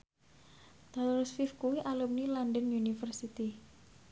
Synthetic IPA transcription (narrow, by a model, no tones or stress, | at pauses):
t̪alɾsfifkuwiʔalum̚nilandənjunifərsit̪i